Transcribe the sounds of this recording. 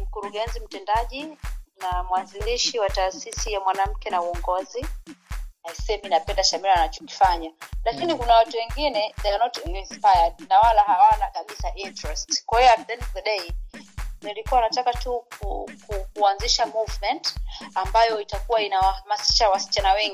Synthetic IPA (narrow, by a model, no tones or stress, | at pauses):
m̩kuɾuɠɛnzim̩tɛndaʄinamwaziliʃiwataːsisijamwanam̩kɛnauɔŋɡɔzi | naisɛminapɛndaʃamiɾaanat͡ʃɔ̥ki̥faɲalakinikunawatuwɛŋɡinɛɗanɔtninspajadnawalahawanakaɓisaʔintɾɛstkwahijavdɛnðɛɗɛi | nilikuwanatakatukukukuanziʃamuvmɛntambajɔitakuwainawahamasi̥ʃawasi̥t͡ʃanawɛŋɡi